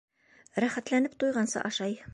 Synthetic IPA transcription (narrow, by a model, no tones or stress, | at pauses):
ɾæχæt̪lænɘpt̪ujʁɑnsɤ̰ʔɑʃɑj